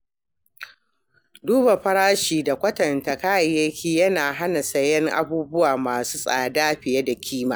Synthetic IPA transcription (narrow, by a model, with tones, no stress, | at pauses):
duː˦ba˨ɸɐ˦ɽaː˦ʃiː˨da˨kʷɐ˦tɐ˨nta˨kaː˦˨jɐ˦kʲiː˦jɐ˦naː˨ɦa˦na˨sɐ˦jɛ˦ŋʔa̰˦buː˦bʊ˦waː˨maː˨suː˦sʼa̰ː˨daː˦ɸɪ˨ja˦da˨kʲʰiː˦maː˨